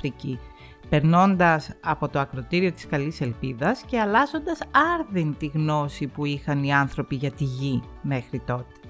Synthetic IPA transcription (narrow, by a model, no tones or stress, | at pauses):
ɾici | pe̞ɾno̞nd̪ɐsɐpo̞t̪oɐkɾo̞t̪iɾio̞t̪i̥skɐlise̞lpiðɐsce̞ɐlɐzo̞nd̪ɐsɐɾðint̪iɣno̞sipuixɐniɐnθɾo̞piʝɐt̪iʝi | me̞xɾit̪o̞t̪e̥